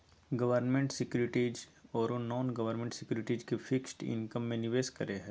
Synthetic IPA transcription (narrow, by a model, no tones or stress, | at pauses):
ɡɐʋəɾnmẽɳʈsɪkjuːɾɪʈid͡ʒɔːɾonɔːnɡɐʋəɾnmẽɳʈsɪkjuːɾɪʈiːd͡ʒkefɪksʈɪ̰̃nkəmːẽnɪʋeːskɐɾeɦɛ̃ː